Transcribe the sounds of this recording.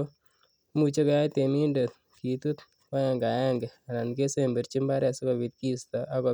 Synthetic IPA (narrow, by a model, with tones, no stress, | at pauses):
mu˨t͡ʃe˦kɔ˦ja˦te˨mi˦nde˨t̪̚ | ki˨tu˦t | wa˦ja˨ŋɡa˨ja˦ŋɡɛ˨a˨na˨nke˦se˦mbe˨ɾt͡ʃi˦mba˦ɾɛ˨sɪ˦kɔ˨bi˨t̪̚ki˦staʔa˦kɔ˨